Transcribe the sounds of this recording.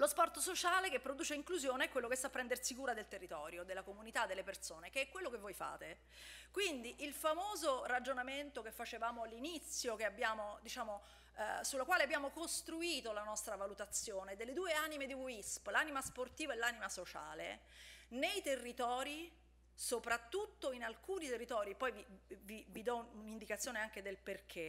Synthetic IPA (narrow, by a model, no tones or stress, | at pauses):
lospɔrt̪osot͡ʃaːlekepːɾod̪uːt͡ʃeiŋkluzjoːneɛkːwelːokest̪apːɾɛnd̪ersikuːɾad̪elt̪erːit̪ɔːɾjod̪elːakomunit̪ad̪ːelːepersoːnekeɛkwelːokevːojfa̰ːt̪e | kwind̪iʔilfamoːzorad͡ʒonament̪okefːat͡ʃevaːmoalːinit̪sːjokeabːjaːmod̪it͡ʃaːmo | sulːakwaːleabːjaːmokost̪ɾuiːt̪olanɔst̪ɾavalut̪at̪sjoːned̪elːed̪uːeaːnimed̪iwisplaːnimasport̪iːvoɛlːaːnimasot͡ʃa̰ːlenejt̪erːit̪ɔːɾi | sopɾat̪ːut̪ːoinalkuːnit̪erːit̪ɔːɾiepːɔjvivivid̪ɔunind̪ikat̪sjoːneaŋk̟ed̪elperkʰe